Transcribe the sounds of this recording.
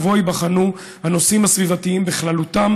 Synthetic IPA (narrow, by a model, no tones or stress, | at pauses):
vo̞jbaχanu | hano̞simhasvivatiimbeχlalut̪am